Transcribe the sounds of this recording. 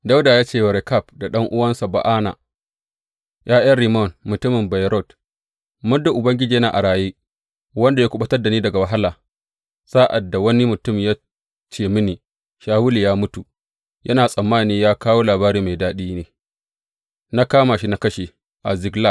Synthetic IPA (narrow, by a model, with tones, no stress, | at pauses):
da˦wdaː˨jaː˦t͡ʃeː˦˨wɐ˨ɾɛ˨ka˦˨pda˨ɗɐ˦ŋʔʊ˦wɐ˦nsa˨ba̰˨ʔaː˦na̰˨ | jʔaː˦ja˦ɾi˨mɔ˦˨nmʊ˨tʊ˦mɪ˨mba˨jɾɔ˦˨t | mʊ˦nda˨ʔʊ˨bɐ˦ŋɡʲɪ˦d͡ʒiː˨jɐ˦naː˨ʔa˨ɽaː˨jeː˦ | wɐ˦nda˨jaː˦kʷʊ˦ɓɐ˦tɐ˦rda˨niː˦dɐ˨ɡa˨wɐ˨ɦa˦laː˨ | z̥aː˦ʔa˨dːa˨wɐ˦ni˦mʊ˨tʊ˦mjaː˦ | t͡ʃeː˦˨mɪ˦niː˨ | ʃaː˦wʊ˦li˨jaː˦mʊ˦tu˨ | jʔɐ̰˦naː˨sʼɐ˨mːaː˦niː˦jaː˦kaː˦woː˦laː˨baː˦ɾiː˦ma˨jdaː˦ɗiː˦neː˨ | na˦kaː˦ma˨ʃi˦na˦kɐ˦ʃe˨ | ʔa˨zɪ˨ɡla˦˨k̚